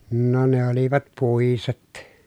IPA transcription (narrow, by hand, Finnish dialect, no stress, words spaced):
no ne oliʋɑt puˑiset